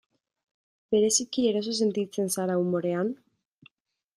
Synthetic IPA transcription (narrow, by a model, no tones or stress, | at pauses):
be̞ɾe̞sikieɾas̬os̬e̞nt̪it͡se̞nsaɾaumo̞ɾe̞an